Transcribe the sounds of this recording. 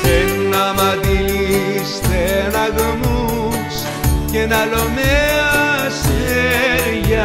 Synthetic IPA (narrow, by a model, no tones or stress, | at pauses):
enamaðilist̪enaɣomu | s | kenalomea | seɾja